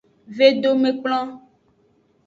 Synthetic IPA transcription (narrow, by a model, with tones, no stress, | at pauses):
ve˦ɖo˦me˨k͡plɔ̃˦